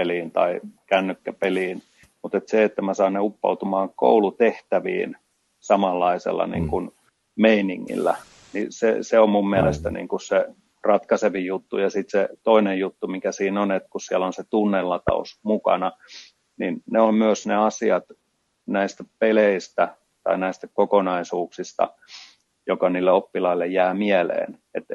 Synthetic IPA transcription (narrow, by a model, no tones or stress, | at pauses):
eliːnt̪ɑikænːykːæpeliːn | mut̪et̪seet̪ːæmæsɑːnneupːɑ̰ut̪umɑːŋko̰ulut̪eht̪æʋḭːn | sɑmɑlːɑisḛlːɑ̰nḭːŋkun | meinḭŋːḭlːæ̰ | nisḛseommummiælest̪ænḭːŋkusse | rɑt̪kɑseʋijut̪ːṵjɑsit̪set̪oinejjut̪ːumikæsiːnonet̪kussiælonset̪unːelːɑt̪ɑ̰o̰smukɑ̰nɑ | ninneommyøsneɑsiɑt̪ | næist̪æpeleist̪æ | t̪ɑ̰inæist̪ækokonɑisuːksist̪ɑ̰ | jokɑniːlːeopːilɑilːejjæːmielḛːn | et̪